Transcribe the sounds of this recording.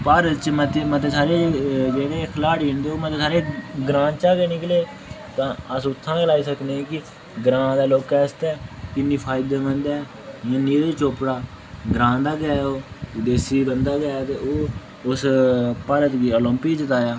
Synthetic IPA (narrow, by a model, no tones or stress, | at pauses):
paːɾət̪t͡ʃmət̪emət̪eːsaːɾeːd͡ʒeːɽeːkʰəlaːɽiːɦɪ̃nd̪eːoːmət̪eːsaːɾeːɡɾãːt͡ʃaːkeːnɪkleː | t̪ãːəsʊt̪ʰːãːklaːiːsəkneːkɪ | ɡɾãːd̪aːloːkɛːst̪ɛːkɪnːiːpʰaːɪd̪eːbənd̪ɛː | jãːniːɾeːt͡ʃoːpɽaː | ɡɾãːd̪aːɡɛːoːd̪eːsiːbənd̪aːɡɛːaːt̪eːoː | ʊspaːɾət̪ɡiːolɔ̃ːmpiːt͡ʃət̪aːjaː